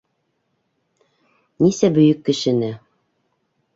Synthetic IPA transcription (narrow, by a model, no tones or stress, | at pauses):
nisæbɵ̆jɵkːɘ̆ʃɘ̆nɘ